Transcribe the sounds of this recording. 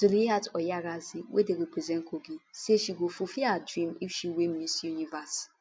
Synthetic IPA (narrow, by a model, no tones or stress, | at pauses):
duliatɔjaɾaziwʔedeɾepɾezɛ̃nkoɡiseʃiɡofufiadɾĩmiʃiwem̩isunivas